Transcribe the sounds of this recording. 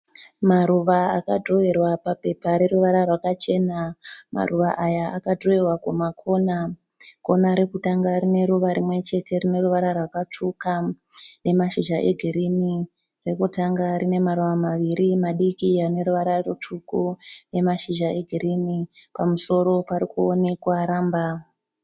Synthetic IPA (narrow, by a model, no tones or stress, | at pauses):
maɾuʋaakadʱro̞erwapape̞paɾe̞ɾuʋaɾarwakat͡ʃe̞nama̰ruʋaʔajaakadʱroerwakumakʰo̞na | ko̞naɾekutaŋɡaɾine̞ɾuʋaɾimwe̞t͡ʃe̞te̞rine̞ɾuʋaɾarwakat͡ʂʰuka | ne̞maʃiʒaʔe̞̰ɡʱiɾini | re̞kutaŋɡaɾine̞maɾuʋamaʋiɾimaɗikiane̞ɾuʋaɾarut͡ʃukune̞maʃiʒaʔe̞ɡʱiɾinipamuso̞ɾo̞paɾikuonekwaɾaːmba